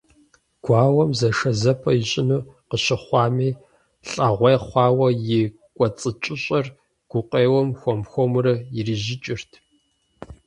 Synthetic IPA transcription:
ɡ̥ʷɑːwɐmzɐʂɐzɐpʰɐjiɕʼɪnuːqəɕɪχʷɑːmiː | ɬʼɐʁʷeːχʷɑːwɐjɪ | kʷʼɔt͡sʼɨt͡ʃʼɪɕʼɐr | ɡ̥ʷʊqʼeːwɔmxʷɔmxʷɔmrɐjɪriʒɪt͡ʃʼɪrtʰ

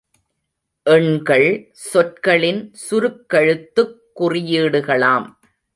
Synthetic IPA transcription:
ʔɛɳɡɐɭ | sɔʈ̚kɐɭɪnsʊɾɯkːɐɻɯt̪ːɯkːʊrɪjiːɽɯɣɐɭaːm

